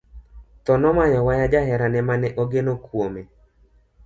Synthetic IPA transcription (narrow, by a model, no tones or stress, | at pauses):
t̪ɔnɔmajɔwajad͡ʒaɦɛɾanɛmanɛʔoɡenokwome